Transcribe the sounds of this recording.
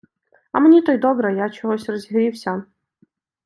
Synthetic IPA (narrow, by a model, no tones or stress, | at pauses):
ɐmnʲit̪ɔjd̪ɔbɾɐjat͡ɕɔɦɔsʲrɔzʲɦiɾʲiwsʲɐ